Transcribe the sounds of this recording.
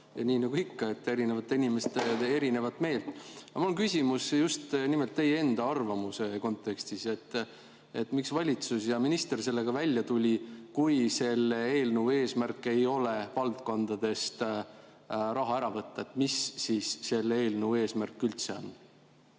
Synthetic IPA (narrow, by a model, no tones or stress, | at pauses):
jɑniːnɑɡ̥uikːɑe̞t̪ːe̞ɾinevɑt̪ːˑeinʲime̞st̪eeɾine̞vɑt̪ːme̞ːlt̪ːˑɑmulŋkysʲimusjust̪nimelt̪ːe̞jee̞nd̪ɑɑrvɑmuse̞ko̞nt̪ːˑe̞kst̪ise̞t̪ːˑ | e̞t̪ːˑmiksvɑlʲit̪susjɑminist̪e̞rse̞lːeɡ̥ɑvælʲːjɑt̪ulʲikujse̞le̞ːlnuwe̞ːsmærkːˑe̞jo̞le̞vɑlt̪ko̞nd̪̥ɑd̪̥e̞st̪ | ɾɑɦɑæɾɑvɤt̪ːɑet̪ːˑmisːisːe̞le̞ːlnuuwe̞ːsmærkːylt̪se̞o̰n